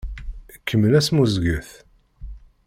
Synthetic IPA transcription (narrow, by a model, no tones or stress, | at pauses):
kʰːəmːəlæsmuzɡəθ